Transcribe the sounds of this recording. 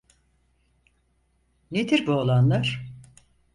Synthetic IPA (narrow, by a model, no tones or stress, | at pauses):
ned̪ʰiɾbuolˠanlˠaɾ̥